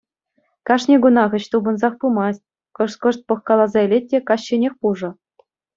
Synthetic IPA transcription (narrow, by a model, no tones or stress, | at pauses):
kɑʂnʲeɡunɑʁɤ̆t͡ɕt̪ubɤ̆nzɑχpumɑsʲt̚ʲ | kɤ̆ʂt̪kɤ̆ʂt̪̚pɤ̆χkɑlˠɑzɑelʲet̚ʲːekɑɕːĕnʲexʲpuʐɤ̆